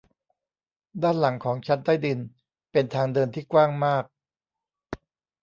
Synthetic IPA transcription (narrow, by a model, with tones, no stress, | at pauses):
daː˥˩nla˩˦ŋkʰɔː˩˦ŋt͡ɕʰa˦˥nt̪aː˥˩jdi˧n | pe˧nt̪ʰaː˧ŋdɤː˧nt̪ʰiː˥˩kwaː˥˩ŋmaː˥˩k̚